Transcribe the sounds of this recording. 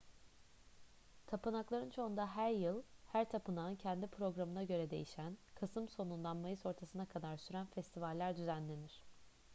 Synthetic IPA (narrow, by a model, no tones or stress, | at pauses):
t̪ʰapɯnaklˠaɾɯnt͡ʃʰo̞und̪aɦæɾjɯlˠhæɾt̪ʰapʰɯnaɯncʰɛnd̪ipʰɾo̞ɡɾamɯnaɟø̞ɾɛd̪e̞̰jiʃænkʰasɯmso̞nund̪anmajɯso̞ɾt̪ʰasɯnakʰad̪aɾsyɾænfɛst̪ʰivalʲːæɾd̪yzænlʲe̞niɾ̝̥